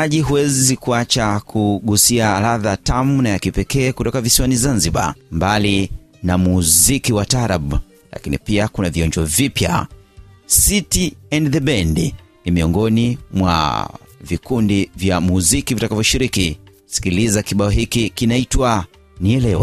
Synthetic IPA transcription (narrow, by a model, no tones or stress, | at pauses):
aʄiɦuwɛzikuat͡ʃakʰuɠusiaːɾaðatamunajakipɛkɛːkutɔkavisiwanizanziɓa̰mbalinamuzikiwataɾaɓ | la̰kinḭpiakunaviɔɲd͡ʒɔvipja̰ | sitiɛ̃ndðɛbɛndinimiɔŋɡɔnimwa̰vikundivjamuzikivitakavjɔʃiɾiki | si̥kilizakiɓaɔɦikikinaitwa | niɛlɛwa